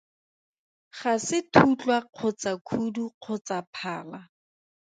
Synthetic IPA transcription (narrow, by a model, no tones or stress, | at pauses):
χasɪtʰut͡ɬwaq͡χʰʊt͡sakʰuduq͡χʰʊt͡sapʰaːla